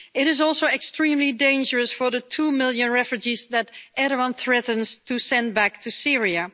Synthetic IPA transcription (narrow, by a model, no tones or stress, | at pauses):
ɪɾɪzɔlˠsoɛkstɹ̥ĩmlidẽɪ̃nd͡ʒəɹəsfə˞ðətʰumɪlˠjɨ̃nɹɛfjud͡ʒizðætʔɛɾə̃nθɹɛtn̩z̥tʰusɛ̃n̚bæk̚tʰusɪɹiɨ